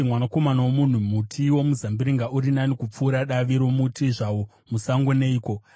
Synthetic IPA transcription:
mwanako̞manawomun̤umutʰiwo̞muzambiɾiŋɡaʔuɾinanikup͡fuːɾaɗaʋiɾo̞mutʰiʐawo̞ | musaŋɡone̞iːko̞

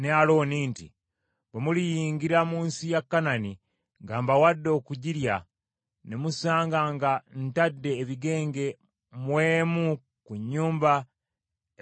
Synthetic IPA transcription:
nealo̞ːniːntḭ | bemulijiːŋɡiɾamuːnsijakːanani | ŋɡaːmbawadːo̞ːkuɟiɾja̰ | nemusaːŋɡaŋɡan̩tadːe̞ːβiɡe̞ːŋɡe̞ | mweːmu | kuɲːuːmba

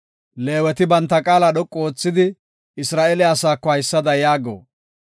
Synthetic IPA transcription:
le̞ːwɛt̪ɪbɐnt̪ːɐkʼaːlaɗɔkʼːoːt͡sːɪd̪ɪ | ɪsɾaːʔelɛɐsaːkːɔhɐjsːɐd̪ɐjaːɡo̰ː

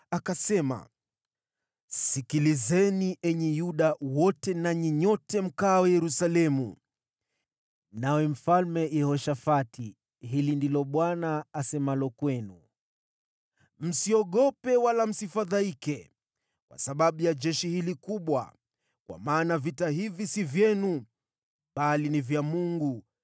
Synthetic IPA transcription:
akasɛma̰ | sikilizɛniʔɛɲɛjuɗawɔtɛnaɲɛɲɔtɛm̩kaːwɛjɛɾusalɛmṵ | nawɛm̩falmɛʔɛhɔʃafatʰi | ɦilindilɔɓwanaːsɛmalɔkwɛnu | m̩siɔɠɔpɛwalam̩sifaðaikɛ | kwʔa̰saɓaɓujad͡ʒɛʃihilikuɓwa̰ | kwa̰maːnavitaɦivisivjɛnu | ɓalinivjamuŋɡu

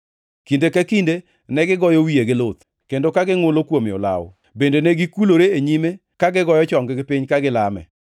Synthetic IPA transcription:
kindekakinde | nɛɡɪɡɔjɔwieɡɪlot̪ | kendokaɡɪŋʊlokwomɪɔ̰la̰w | bendenɛɡikuloɾeeɲime | kaɡɪɡɔjɔt͡ʃɔŋɡɪɡɪpɪɲkaɡɪlamɛ̰

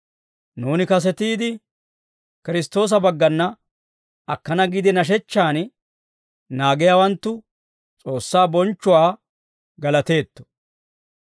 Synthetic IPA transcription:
nuːnɪkɐs̬ɛt̪iːd̪ɪ | kɪɾɪst̪o̞ːs̬ɐbɐɡːɐnːɐ | ɐkːɐnɐɡɪd̪ɪnɐʃ̬ɛt͡ʃːaːn | naːɡɛjawɐnt̪ːʊ | t͡sʼo̞ːsːaːbɔnt͡ʃːʊwaː | ɡɐlɐt̪e̞ːt̪ːɔ̥

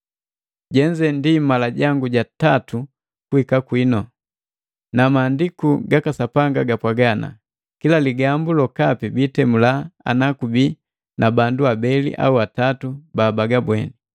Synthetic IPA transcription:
ɟɛɲd͡ʒɛndimalaɟaŋɡuɟatatu | kuhikakwinɔ | namaːndikuɡakasapaŋɡaɡapwaɡana̰ | kilaliɡambulɔkapibitɛmulaa̰nakubi | nʔabanduabɛlḭʔa̰uatatubaːbaɡabwɛ̰ni

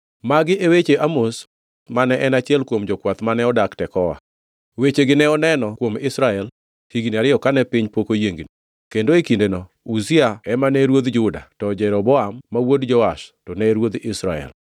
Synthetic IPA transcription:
maɡɪʔewet͡ʃeʔamos | manɛʔɛnat͡ʃɪɛlkwomd͡ʒɔkwat̪manɛɔdaktɛkɔwa̰ | wet͡ʃeɡɪnɛɔnɛnɔkwomɪsɾaɛl | hiɡniaɾɪɔkanɛpɪɲpokojeŋɡno | kendoekindeno | uziaɛmanɛɾwod̪d͡ʒʊda̰tɔd͡ʒɛɾɔbɔamːawodd͡ʒɔaʃtɔnɛɾwod̪ɪsɾaɛ̰l

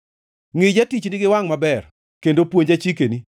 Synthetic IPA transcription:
ŋɪd͡ʒatit͡ʃnɪɡɪwaŋmabɛr | kendopwoɲd͡ʒat͡ʃikeni

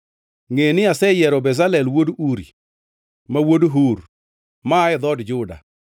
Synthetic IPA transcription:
ŋenɪasɛjɛɾɔbɛzalɛlwoduɾḭ | mawodɦuɾ | maːɪd̪ɔdd͡ʒʊda̰

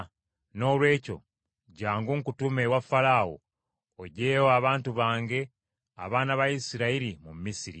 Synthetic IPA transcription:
no̞ːlwe̞ːco̞̰ | ɟaːŋɡuːŋkutumewafalaːwo̰ | oɟe̞ːwaβaːntuβaːŋɡe̞ | a̰βaːnaβajisiɾaiɾimummːisiɾḭ

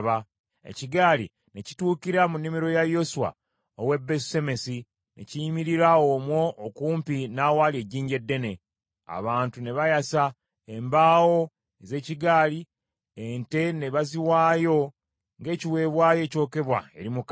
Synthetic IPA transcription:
βa | ḛciɡaːlḭ | ne̞ci̥tuːkiɾamunːimiɾo̞jajo̞suwa̰ | owe̞bːese̞me̞si | nʔe̞̰ciimiɾiɾaomwo̞ʔːkuːmpinaːwaːlie̞ɟiːɲɟe̞dːe̞ne̞ | a̰βaːntune̞βajasa | e̞mbaːwo̞ | eze̞ːciɡaːli | ente̞ne̞βaziwaːjo̞ | ŋɡe̞ːciwe̞ːβwaːje̞ːco̞ːke̞βwa̰e̞̰ɾimuk

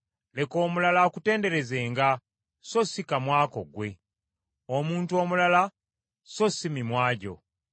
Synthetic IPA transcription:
le̞ko̞ːmulalaokute̞ːnde̞ɾe̞ze̞ːŋɡa | so̞sikamwaːko̞̰ɡwe̞ | omuːntuo̞mulala | so̞simimwaːɟo̞̰

